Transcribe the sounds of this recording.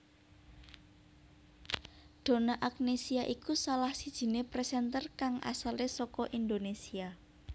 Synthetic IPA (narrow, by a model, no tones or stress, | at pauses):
ɖ̪̥o̤naʔak̚nesiaʔikusalahsid̥ʒ̥i̤nepɾɛsɛnt̪ərkaŋʔa̰salesɔkɔʔind̪onesia